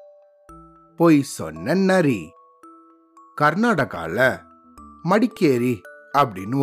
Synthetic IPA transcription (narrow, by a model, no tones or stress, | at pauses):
poːjsɔ̰nːɐnɐɾi | kɐɾnaːɽɐɣa̰ːlɐ | mɐɽɪkːeːɾiɐpːɐɽɪnːɯ